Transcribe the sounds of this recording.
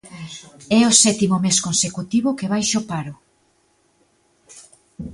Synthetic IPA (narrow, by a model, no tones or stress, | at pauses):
ɛosɛt̪imʊmeskonsekut̪iβokeβajʃopaɾʊ